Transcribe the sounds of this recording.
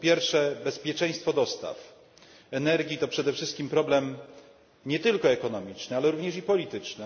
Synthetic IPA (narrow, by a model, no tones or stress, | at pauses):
pʲjɛɾfʂɛbɛspʲjɛt͡ʂɛ̃j̃st̪fɔd̪ɔst̪a̰f | ɛnɛɾɡʲit̪ɔpʂɛd̪ɛfʂɘst̪kʲimpɾɔblɛm | ɲɛt̪ɘlkɔɛkɔnɔmʲit͡ʂnɘalɛɾuvɲɛʂipɔlʲit̪ɘt͡ʂnɘ